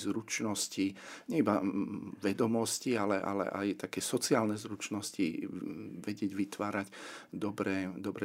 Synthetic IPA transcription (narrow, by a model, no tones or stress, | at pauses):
zɾut͡ʃnɔsciɲɛibaʋɛd̪ɔmɔscialɛʔa̰lɛ̰ʔa̰jt̪akɛːsɔt͡siaːlnɛzɾut͡ʃnɔscḭ | ʋɛɟɪɛɟʋit̪ʋaːɾacd̪ɔbɾɛːd̪ɔbɾɛ